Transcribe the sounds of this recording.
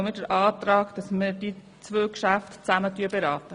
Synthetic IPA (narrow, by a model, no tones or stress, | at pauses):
mɪdəɾʔɑːt̪ɾɑːkd̥ɑsməd̥i | t͡sʋøːkʃæftt͡sæmətyəbeɾɑːt̪ə